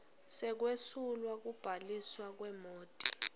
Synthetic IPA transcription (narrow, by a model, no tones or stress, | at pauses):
sɛk̬wesulwak̬ub̥ʱaliswak̬wɛmoːtʼi̥